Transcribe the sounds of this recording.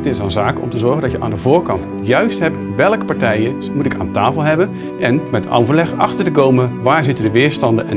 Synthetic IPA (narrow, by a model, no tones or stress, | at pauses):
ətɪsənzaːkɔ̰mtəzɔɹɣəndɑtjəʔa̰ːndəvʊːɹkɑnt | jœɥstɦɛpʋɛlˠkə̥pɑɹtɛjə | mutɪka̰ːntaːfəlˠɦɛbən | ʔɛnmɛtɑ̰wvəɹlɛχɑ̰χtəɹtəkowməʋaːɹzɪtədəʋɪːɹstɑndəɛ̰